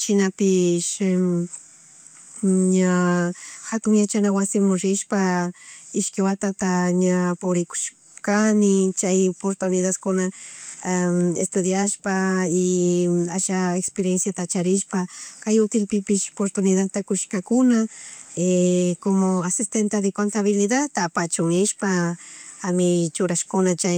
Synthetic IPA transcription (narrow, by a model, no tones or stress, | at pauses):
t͡ʃɪnapɪʃ | ɲa | xat̪ʊŋjat͡ʃanawasɪmʊɾɪʃpa | ɪʃkɪwat̪at̪aɲapʊβɾɪkʊ̥ʃ | kanɪt͡ʃajopoɾt̪ʊnɪðad̪kʊna | ḛst̪ʊd̪jaʃpaɪaʃaekspeɾjensjat̪at͡ʃaɾɪʃpakajʊt̪ɪlpɪpɪʃo̥poɾt̪ʊnɪðat̪akʊʃkakʊnaekomoasɪst̪ent̪ad̪ɪkont̪aβɪlɪðat̪apat͡ʃʊŋɪʃpa | amɪt͡ʃʊɾaʃkʊnat͡ʃa